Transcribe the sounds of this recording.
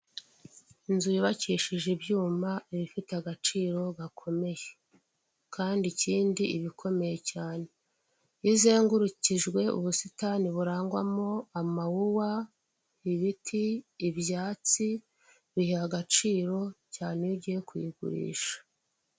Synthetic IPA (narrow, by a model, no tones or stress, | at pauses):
inzujiβaciːʃiʒibjuːmaiβifiteaɡat͡ʃiːɾo̞ɡakʰo̞me̞je | kʰaːndiciːndiiβikʰo̞me̞je̞caːne̞ | jizeːŋɡuɾuciʒɡwe̞ṵβusitaniβuɾaːŋɡwa̰moamawuwa | iβitʰiːbjaːt͡si | βihihaɡat͡ʃiːɾo̞caːneiɟije̞kwḭɡṵɾḭːʃḁ